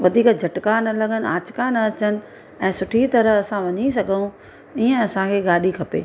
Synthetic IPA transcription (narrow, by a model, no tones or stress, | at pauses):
ʋɐd̪ʱiːkd͡ʑʱɐʈkaːnɐlɐɡʱənɪ̆aːt͡ɕkanɐɐt͡ɕənɪ̆ | ɛ̃ːsʊʈʰit̪ɐɾəɦɐsãʋɐɲis̬ɐɡʱəjũ | iːə̃ɐsãkʰeːɡaːɗikʰɐpḛː